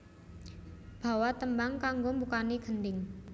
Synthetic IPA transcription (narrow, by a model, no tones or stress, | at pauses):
b̥a̤wat̪əmbaŋkaŋɡombukaniɡ̥ə̤ndɪŋ